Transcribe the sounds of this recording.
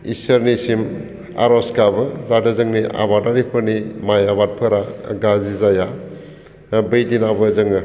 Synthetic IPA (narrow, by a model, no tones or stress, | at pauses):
isəɾnisim | a̰ɾɔskabɯzadɯzɯŋniʔa̰βataɾipʰɯɾnimajaβat̚pʰɯɾaɡazizaja | bɯjdinabɯzɯŋɯ